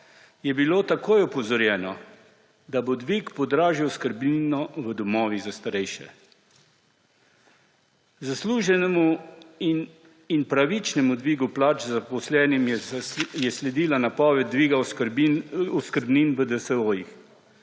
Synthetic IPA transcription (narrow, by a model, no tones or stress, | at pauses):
jɛbiloːt̪akoːjɔpɔwzɔɾjɛːnɔ | d̪abod̪ʋikpɔd̪ɾaːʒiwskəɾbninɔʋəd̪ɔmɔːʋizast̪aɾɛjʃɛ̰ | zasluːʒɛnɛmu | inpɾaʋit͡ʃnɛmud̪ʋiːɡuplaːt͡ʃzapɔslɛːnim | jɛslɛd̪iːlanapɔːʋɛd̪̚d̪ːʋiːɡa | uskəɾbniːnʋəd̪ɛsɛoːjix